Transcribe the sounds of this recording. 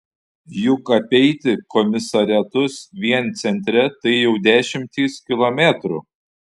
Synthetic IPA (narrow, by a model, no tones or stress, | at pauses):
jʊkɐpʲɛɪt̪ʲɪkɔmʲɪsɐɾʲæt̪ʊsʋʲiɛnt̪sʲɛnʲt̪ʲɾʲɛt̪ɐɪjɛʊd̪ʲæːʃʲɪmʲt̪ʲiːskʲɪlˠomʲæt̪ɾṵ